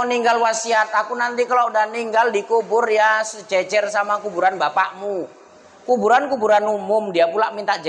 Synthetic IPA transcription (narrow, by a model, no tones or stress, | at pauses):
niŋɡalwasiat̪̚akunant̪ikaloudahniŋɡaldikubʊrjasd͡ʒɛt͡ʃɛrsamakubuɾanbapaʔmu | kubuɾankubuɾanumʊmdiapulaʔmint̪aʔd͡ʒ